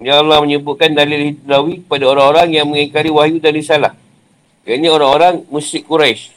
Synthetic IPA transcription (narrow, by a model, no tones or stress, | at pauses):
jaːlahməɲəbuʔ̚kandalilhidlawikə̥padaoɾaŋoɾaŋjaŋmə̃ŋikaɾiwaɦjudalisalah | kanaoɾaŋoɾaŋmusɪʔkːuɾajs